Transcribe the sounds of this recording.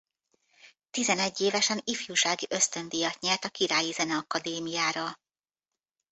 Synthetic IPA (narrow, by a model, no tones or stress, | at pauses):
t̪izɛnɛɟːeːvɛʃɛnifjuːʃaːɡiʔø̞st̪ø̞nd̪ijɒt̪ɲɛlt̪ɒkiɾaːjizɛnɛɒkɒd̪eːmijaːɾɒ